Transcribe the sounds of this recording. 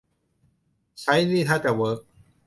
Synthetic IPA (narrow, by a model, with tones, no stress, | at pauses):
t͡ɕʰa˦˥jniː˥˩t̪ʰaː˥˩t͡ɕa˨˩wɤː˦˥k̚